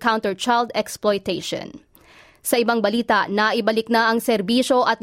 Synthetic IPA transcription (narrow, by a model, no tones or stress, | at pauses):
kaw̃nt̪ɛɹt͡ʃajld̪ɛksplojt̪ɛjʃo̰n | sɐʔɪbaŋbɐliːt̪aʔnɐʔɪbɐlɪk̚nɐʔɐŋsɛɾbiːʃo̞ʔɐt̪̚